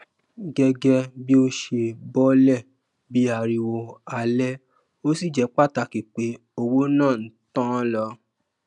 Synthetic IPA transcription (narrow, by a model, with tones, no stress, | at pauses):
ɡɛ˧ɡɛ˧bi˦o˦ʃe˧bɔ˦lɛ˦˨ | bi˨˦a˧˨ɾi˧wo˧a˧lɛ˦ | o˦si˦˨d͡ʒɛ˨˧˦k͡pa˦˨ta˧˨ki˨k͡pe˨˦ | o˧wo˦nãː˦˨n̩˨˦tã˦lɔ˧